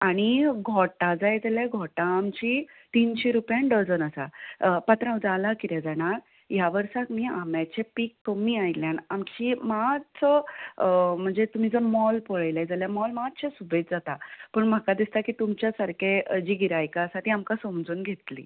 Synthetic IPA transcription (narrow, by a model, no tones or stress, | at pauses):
aɽ̃iɡʱɔʈad͡zajd͡z̪aljaɡʱɔʈãːmt͡ɕi | t̪inɕeɾupjãnɖəd͡zənəsapat̪ɾãwd͡zalakiɾjad͡zaɽ̃aɾ | jaʋəɾsakmiːamjat͡ɕepikːəmiajljanamt͡ɕiːmat͡sə | m̤əɳd͡zet̪um̤id͡zəmɔlpɔɭəjlajd͡zaljamɔlmaɕesubet͡sd͡zat̪apəɳm̤akad̪ist̪akiːt̪umt͡ɕjasaɾkʰed͡ʑiːɡiɾajkaəsat̪iamkasomd͡zuːnɡʱet̪lḭː